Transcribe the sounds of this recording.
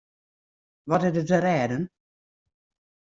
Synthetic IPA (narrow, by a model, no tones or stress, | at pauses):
ʋɔtɪdətəɾɛːdən